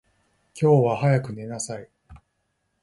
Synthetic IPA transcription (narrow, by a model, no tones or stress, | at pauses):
kʲo̞ːβahajakɯ̟ne̞nasai